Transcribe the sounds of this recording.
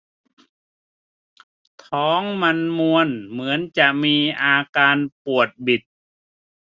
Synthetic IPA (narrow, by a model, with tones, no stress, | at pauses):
t̪ʰɔː˨˦ŋma˧nmu˧ənmɯ˩˦ənt͡ɕa˨˩ʔmiː˧ʔaː˧kaː˧npu˨˩ət̪̚bi˨˩t̪̚